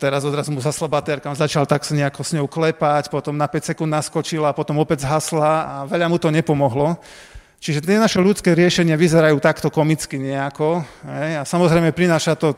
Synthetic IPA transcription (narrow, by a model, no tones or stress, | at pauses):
t̪ɛɾazɔd̪ɾazumuzaslɔbat̪ɛɾkamzat͡ʃalt̪aksɲɛakɔsɲɔʊklɛpacpɔt̪ɔmnapɛcsɛkund̪naskɔt͡ʃilaːpɔt̪ɔmɔpɛzɦaslaaʋɛʎamut̪ɔɲɛpɔmɔɦlɔ | t͡ʃiʒɛt̪ɪɛnaʃɛʎut͡skɛːɾɪɛʃɛɲɪaʋizɛɾajuːt̪akt̪ɔkɔmit͡skiɲɛakɔɦɛjasamɔzɾɛjmɛpɾinaːʃat̪ɔ